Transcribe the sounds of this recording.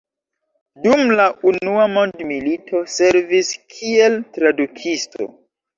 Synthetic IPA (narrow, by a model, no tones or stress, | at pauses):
dumlaʔunuamo̞ndmilitʰo̞se̞ɾviskʰie̞ltɾadukʰisto̞̰